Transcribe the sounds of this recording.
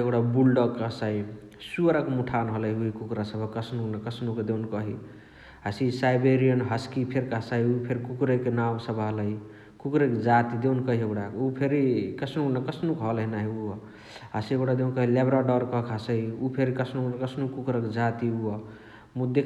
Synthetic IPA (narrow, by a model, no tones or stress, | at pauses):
ekɽabulɖəkəsai | suɾakmuʈʰanɦələɦiuikukɾasəbʱʌkəsʰnuknʌkəsnuked̪ewnkʌɦi | ɦasisajbeɾijənɦəskipʰeɾkəsaiupʰeɾkukɾekenamsəbʱɦələɦi | kukɾeked͡ʒat̪id̪ewnkʌɦiekɽaupʰeɾikəsʰnuknəkʌsʰnukɦʌlɦinaɦiu | ɦasiekɽad̪ewnkʌɦilebɾaɖəɾkʌkɦəsəiupʰeɾikəsʰnuknkəsnukukɾəkd͡ʒat̪iuɔ | mud̪e